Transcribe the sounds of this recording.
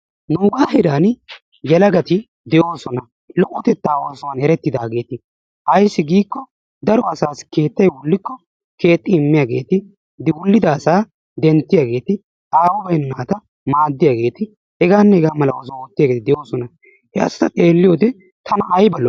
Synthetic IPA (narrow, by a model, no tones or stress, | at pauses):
nuːɡaːɦɛɾaːn | jɛlɐɡɐt̪ɪ | d̪ɛjo̞ːsɔnɐ | lɔkʼːɔt̪ɛt̪ːaːwoːsɔwɐnɛɾɛt̪ːɪd̪aːɡe̞ːt̪ɪ | ʔɐjsːɪɡiːkːɔ | d̪ɐɾɔɐsaːske̞ːt̪ːɐjwʊlːɪkːɔ | ke̞ːt̪ʼːɪɪmːɪjaːɡe̞ːt̪ɪ | d̪ɪwʊlːɪd̪ɐːsaː | d̪ɛnt̪ːɪjaːɡe̞ːt̪ɪ | aːwɔbɐjnnaːt̪ɐ | maːd̪ːɪjaːɡe̞ːt̪ɪ | hɛɡaːnːɛhɛɡaːmɐlɐwɔːs̬ɔwot̪ːɪjaːɡeːt̪ɪd̪ɛjo̞ːsɔnɐ | hɛɐ̰sɐ̥t̪ɐt̪ʼe̞ːlːɪjo̞ːd̪ɛ | t̪ʰɐnɐʔɐjbɐlːɔ